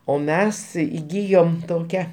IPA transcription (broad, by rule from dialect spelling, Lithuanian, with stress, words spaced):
oː ˈmʲɛs iːˈɡʲiːjoːm toːˈkʲɛ